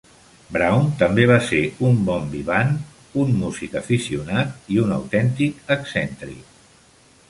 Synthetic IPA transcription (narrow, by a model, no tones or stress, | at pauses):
bɾawnt̪əmbeβ̞aseumbɔmbiβan | umːuzikəfisiunat̪iunə̰wt̪ɛnt̪ikəksɛnt̪ɾḭ